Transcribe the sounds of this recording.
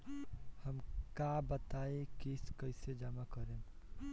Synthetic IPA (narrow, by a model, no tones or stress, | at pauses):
hɐmkaːbət̪aːekiskəɪsed͡ʒəmakəɾẽː